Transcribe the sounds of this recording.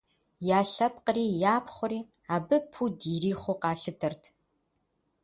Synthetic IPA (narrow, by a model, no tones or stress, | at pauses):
jaːɬɐp̚qəriːjaːpχʷʊɔɾiː | aːbɨpʰuːdiːɾiːχʷʊqɑːɬɨtʰɐrtʰ